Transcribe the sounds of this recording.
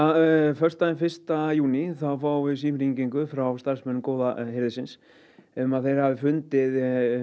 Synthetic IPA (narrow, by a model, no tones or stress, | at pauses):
afœr̥st̪aɛnfɪr̥st̪ajuːniθawfaːwvɪðsiːmɾiŋciŋkʏfɾawst̪ar̥smɛnʏmkoːwðahɪɾðɪsɪns | ɛmaðθejɾ̥havɪfʏnt̪ɪð